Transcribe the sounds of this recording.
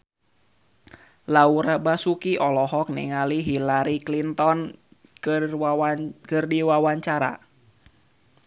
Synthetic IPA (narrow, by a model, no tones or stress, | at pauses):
lauɾabasukiʔɔlɔɦɔk̚nḭŋaliɦilaɾiklint̪ɔn | kɨrdiwawaɲt͡ʃaɾa̰